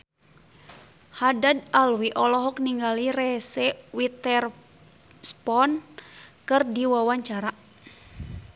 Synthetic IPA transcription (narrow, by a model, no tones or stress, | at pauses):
hadad̪alwiʔɔlɔɦɔk̚niŋɡaliɾɛsɛwit̪ɛr | spɔnkɨrdiwawaɲt͡ʃaɾa